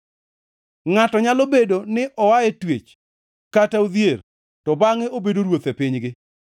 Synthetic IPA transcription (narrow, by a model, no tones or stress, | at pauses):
ŋatɔɲalobedonɪʔɔwaɛtwet͡ʃ | katauðjer | tɔbaŋɪobedoɾwot̪epɪɲɡɪ